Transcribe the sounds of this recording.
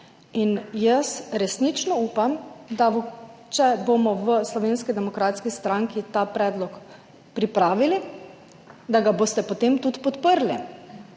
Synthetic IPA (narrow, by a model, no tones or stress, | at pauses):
injəsɾɛsnit͡ʃnɔuːpamd̪at͡ʃɛbomɔʋəslɔʋeːnskid̪ɛmɔkɾaːt̪skist̪ɾãŋkit̪aːpɾɛːd̪lɔk | pɾipɾaːʋili | d̪aɡaboːst̪ɛpot̪emt̪ut̪pɔt̪pəɾli